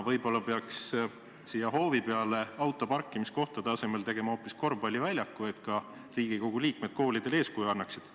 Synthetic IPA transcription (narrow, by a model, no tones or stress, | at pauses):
vɤjbo̞lːɑpeɑks | sijɑɦo̞ːvipeɑle̞ɑwt̪ːˑo̞pɑrkːimisko̞ht̪ɑd̪eɑse̞melt̪e̞ɡ̥e̞mɑo̞ːpːˑisko̞rbɑlʲːivælʲjɑkːˑuet̪kɑ | riːɡ̥iko̞ɡ̥uliːk̚med̪̥ko̞ːlid̪̥e̞le̞ːskujɑnːɑksid̪̥